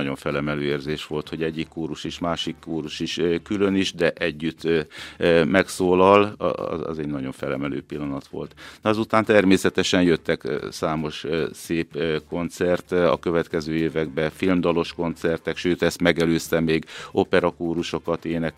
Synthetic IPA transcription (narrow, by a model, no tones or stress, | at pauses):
ɒɟo̞ɱfɛlɛmɛløːeːrzeːʃʋo̞lt̪ho̞ɟɛɟːikːoːɾuʃiʃmaːʃikːuːɾuʃiʃkylø̞niʒd̪ɛʔɛɟːyt̪ː | mɛksoːlɒl̰ɒ̰ɛ̰zɛɟnɒɟo̞ɱfɛlɛ̰mɛlø̰ːpilːɒnɒt̪ʋo̞̰lt̪nɒzut̪aːnt̪ɛrmeːsɛt̪ɛʃɛnjøt̪ːɛksaːmo̞ʃseːpko̞nt̪sɛrt̪ɒ̰kø̞vɛt̪kɛzøːeːvɛɡbɛfilmd̪ɒlo̞ʃko̞nt̪sɛrt̪ɛkʃøːt̪ɛst̪mɛɡɛløːst̪ɛmeːɡo̞pɛɾɒkuːɾuʃo̞kɒt̪eːnɛk